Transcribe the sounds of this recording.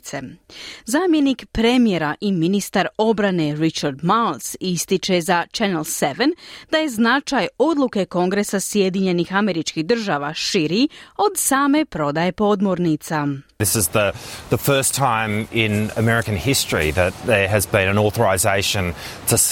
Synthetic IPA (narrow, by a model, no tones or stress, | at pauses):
sezaːmjenikpɾemijeɾaʔiminist̪aɾo̞bɾane̞ɾit͡ʃaɾd̪mawlsist̪it͡ʃezat͡ʃenelseʋend̪̥aje̞znat͡ʃajo̞d̪luke̞ko̞ŋɡɾe̞sasje̞d̪iɲe̞nixameɾit͡ʃkihd̪r̩ʒaːʋaʃiɾio̞d̪saːme̞pɾo̞d̪aje̞po̞d̪moɾnit̪saðɪsɨzðəðəfɜ˞stʰãɪ̃mɪ̃nɨ̰mɛɹɨkɨ̃nhɪstɹ̥ḭðɨt̪̚ðə˞ɨzbɨ̃nɨ̃nɔθə˞ɨzeɪʃɨ̃ntʰɨ